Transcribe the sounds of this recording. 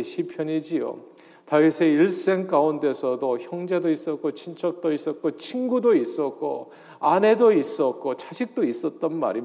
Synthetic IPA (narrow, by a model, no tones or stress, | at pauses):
ɕʰipʰjʌɲid͡ʑio̰ | taisʰe̞iɭs͈e̞ŋk͈aunde̞sʰʌdoçjʌŋd͡ʑe̞dois͈ʌt̚k͈ot͡ɕʰint͡ɕʰʌk̚t͈ois͈ʌt̚k͈ot͡ɕʰinɡudois͈ʌt̚k͈o̰ | ane̞dois͈ʌt̚k͈ot͡ɕaɕʰik̚t͈ois͈ʌt̚t͈ʌnma̰ɾi